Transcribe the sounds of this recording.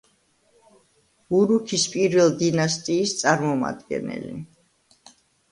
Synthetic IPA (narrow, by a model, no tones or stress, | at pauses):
uɾukʰispʼiɾvɛlˠd̪inast̪ʼiːst̪sʼaɾmɔma̰d̪ɡɛ̰nɛ̰lḭ